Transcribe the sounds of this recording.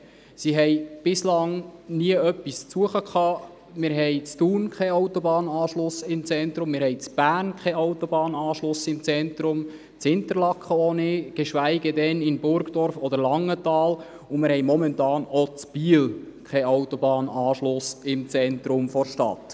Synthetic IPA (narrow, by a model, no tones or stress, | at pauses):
siɦɛjb̥ɪslɑŋniəœpːist͡suəχəkʰχɑː | mɪːɾɦɛjt͡stuːnkʰɛaʊtɔbɑːnɑːʃlʊsɪmt͡sɛnt̪ɾʊmːɪːɾhɛjt͡sb̥æːrnkʰχɛawt̪ɔbɑːnɑːʃlʊsɪmt͡sɛnt̪ɾʊm | t͡shɪnt̪əɾlɑkʰχəɔnɪɡ̥eʃʋæɪɡədɛnɪnbʊɾɡd̥ɔɾfɔd̥əɾlɑŋːət̪ɑːl | ʊmɪɾhɛjmɔmɛntɑːnɔt͡sb̥iːlkʰχɛawt̪ɔbɑːnɑːʃlʊsɪmt͡sɛnt̪ɾʊmfɔɾʃtɑ̰t̪